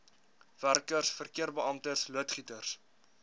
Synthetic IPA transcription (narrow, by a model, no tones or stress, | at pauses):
værkərsfərkiərbəɐmtərsluətχitərs